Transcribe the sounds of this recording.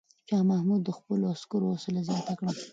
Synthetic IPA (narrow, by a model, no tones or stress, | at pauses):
pjɑmahmud̪ːəxpəloaskuɾoosʊlazjɑnt̪akɽəm